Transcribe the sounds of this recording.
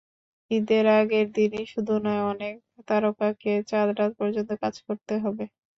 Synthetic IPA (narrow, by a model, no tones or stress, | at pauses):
id̪eɾaɡeɾd̪iniʃud̪ʱunɔeɔnek̚ | t̪aɾokaket͡ɕaɾɖat̪̚pɔɾd͡ʑont̪okad͡ʑkoɾt̪eɦɔbe